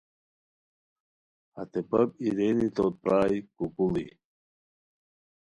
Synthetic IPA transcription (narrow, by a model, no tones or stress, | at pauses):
ɐt̪epɐb̚iɾenit̪oːt̪̚pɾaːjkukulḭ